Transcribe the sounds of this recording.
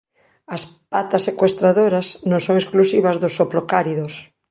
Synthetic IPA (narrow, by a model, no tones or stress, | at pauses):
ɐspat̪asːekwest̪ɾaðoɾɐsnõŋsõŋesklusiβɐzðʊsoplokaɾiðos